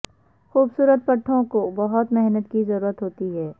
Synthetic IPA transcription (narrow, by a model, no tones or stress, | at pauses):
xuːbsuːɾət̪̚pɐʈʰːõkobɐɦʊt̪mɪɦnət̪kizɐɾuːɾət̪ɦoːt̪iɦɛː